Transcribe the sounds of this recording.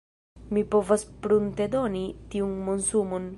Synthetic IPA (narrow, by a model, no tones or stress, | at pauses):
mipo̞vaspɾunt̪ed̪o̞nit̪iunmonsumon